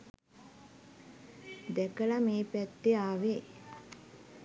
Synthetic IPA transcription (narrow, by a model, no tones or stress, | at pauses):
d̪ɛkəlameːpæt̪ːeaːʋe